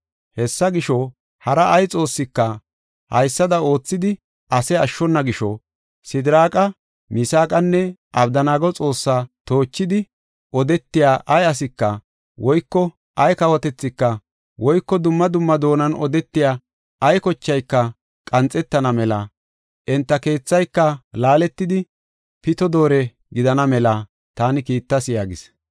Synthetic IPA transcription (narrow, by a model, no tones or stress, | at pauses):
hɛsːɐɡɪʃɔ | hɐɾɐʔɐjt͡sʼo̞ːsːɪkːɐ | hɐ̰jsːɐd̪ɐo̞ːt͡sːɪd̪ɪ | ɐsɛɐʃːɔnːɐɡɪʃɔ̰ | sɪd̪ɪɾaːkʼɐ | mɪsaːkʼɐnːɛʔɐbd̪ɐnaːɡɔt͡sʼo̞ːsːaːt̪o̞ːt͡ʃːɪd̪ɪ | ɔd̪ɛt̪ːɪjaːʔɐjɐs̬ɪkːɐ | wɔjkːɔ | ɐjkɐwɔt̪ɛt͡sːɪkːɐ | wɔjkːɔd̪ʊmːɐd̪ʊmːɐd̪o̞ːnɐnɔ̰d̪ɛt̪ːɪjaː | ɐjkɔt͡ʃːɐjkːɐ | kʼɐnt͡sʼːɛt̪ːɐnɐmɛlɐ | ʔɛnt̪ːɐke̞ːt͡sːɐjkːɐlaːlɛt̪ːɪd̪ɪ | pɪt̪ɔd̪o̞ːɾɛ | ɡɪd̪ɐnɐmɛlɐ | t̪aːnɪkiːt̪ːɐsɪjaːɡɪs